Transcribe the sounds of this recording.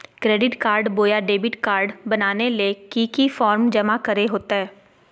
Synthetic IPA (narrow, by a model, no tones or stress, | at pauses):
kɾeːɖɪʈkaːɾɖboːjaɖeːbɪʈkaːɾɖbɐnaːnelekikifɔːɾmd͡ʒɐmakɐɾeɦoːt̪aɦɛː